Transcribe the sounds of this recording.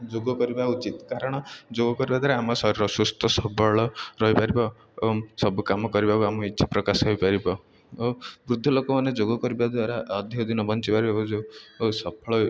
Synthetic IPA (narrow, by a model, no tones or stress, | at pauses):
d͡ʒoɡɔkɔɾibaut͡ʃit̪kaɾɔɽ̃ɔd͡ʒoɡɔkɔɾibad̪waɾaːmɔsɔɾɾɔsust̪ʰɔsɔbɔɭɔɾɔɦipaɾibɔ | sɔbukamɔkɔɾibakuamɔitːʃʰḁpɾɔkasɔɦojpaɾibɔ | bɾud̪ʱːɔlokɔmaned͡ʒoɡɔkɔɾibad̪waɾaɔd̪ʱiɔd̪inɔbɔnt͡ʃipaɾibaud͡ʒosɔpʰɔɭɔ